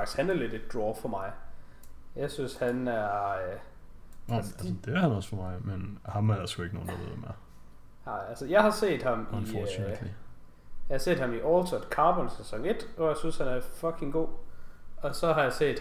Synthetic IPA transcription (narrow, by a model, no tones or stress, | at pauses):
ɑɡ̥i̥shænæɐle̝d̥e̝d̥̚d̥ʁɔːfɒ̽mɑ̈ɪ | jɑ̈ɪsynshænæɐ | ælsd̥eæɐhænɒsfɒmɑ̈ɪmenhɑ̈mædæsɡ̥ue̝ɡ̥no̝ːn̩d̥ɑʋ̰ð̰ˠmæɐ | nɑ̈ɪ̰ælsəjɑ̈ɪhɑ̈se̝̰ːd̥hɑ̈minfɒsli | jɑɪhɑ̈se̝̰ːd̥hɑ̈miʔɒːlt͡sʰɒd̥kʰɑ̈ːb̥ɒnsesɒ̽ŋe̝d̥ɒ̰jaɪsynshænæɐfɒkʰe̝ŋɡ̥o̝̰ː | ɒ̽sɒ̽ɦɑ̈jɑ̈ɪse̝̰ːd̥